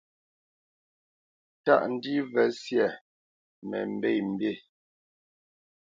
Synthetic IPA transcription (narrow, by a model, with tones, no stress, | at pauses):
ta̰˦˨ʔn̩˦di˦vɛ˨˦sjɛ˨ | mɛ˨m̩˨be˦˨m̩˨be˦˨